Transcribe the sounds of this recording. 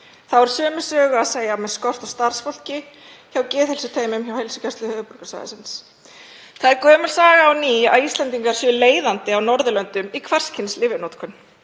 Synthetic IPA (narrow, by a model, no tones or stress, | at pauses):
θavɛɾ̥sœːmɪ̥sœːɣʏaðseːjamɛðskɔr̥t̪awst̪aɾr̥sfɔl̥cɪ | çawcɛːθɛlsʏt̪ʰeːjmʏmçawhejlsʏ̥cʰɛst̪lʏhœːvʏpɔɾkasa̰ɣðɪ̰sɪns | θaðɛɾkœːmʏ̥saːɣaːwniːa̰ðist̪lɛnt̪iŋkaɾ̥sjœleːjðant̪ɪawnɔɾðʏlœnt̪ʏmikʰvar̥scʰɪnslɪvɪnot̪kʰʏn